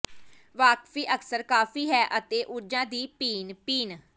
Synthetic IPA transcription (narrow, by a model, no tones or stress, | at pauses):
ʋaːkfiːʔəksəɾkaːfʰiːɦɛːʔət̪eːʔʊɾd͡ʒãːd̪iːpiːnpiːn